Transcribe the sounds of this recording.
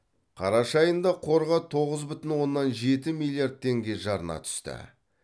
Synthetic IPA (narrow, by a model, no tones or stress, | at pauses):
qʰɑɾɑʃɑjənd̪ɑqʰo̞ɾʁɑt̪ʰo̞ʁəzbʏt̪ɪnwo̞nːɑnʒe̞t̪ɪmilʲˠijaɾd̪̚t̪ʰːe̞ŋɡʲe̞ʒɑɾənɑ̰t̪ʰʏ̥st̪ɪ̰